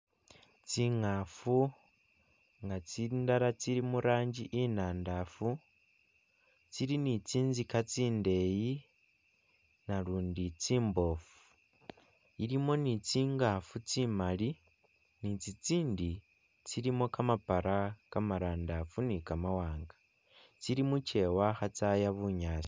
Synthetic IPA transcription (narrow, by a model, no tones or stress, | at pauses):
t͡siŋaːfu | ŋɡat͡sindaɾat͡siɾimuɾaːɲɟiʔinaːndafu | t͡siɾinit͡siːnzikat͡siːnde̞ji | naluːndit͡siːmbo̞ːfuu̥ | iɾimo̞nit͡siːŋɡafut͡simali | nit͡sit͡siːndi | t͡siɾimo̞kamapaɾakamaɾaːndafunikamawaːŋɡa | t͡siɾimut͡ʃe̞waxat͡sajaβuɲaːt͡si̥